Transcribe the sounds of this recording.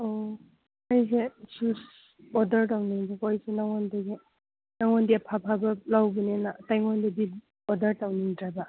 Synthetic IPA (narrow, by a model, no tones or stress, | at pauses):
o | ajsesus | ɔdɐɾtawniŋdekɔjsenaŋɔndaɡe | naŋɔndiapʰapʰabɐlawbinenatajŋɔndebi | ɔdɐɾtawniŋdɾaba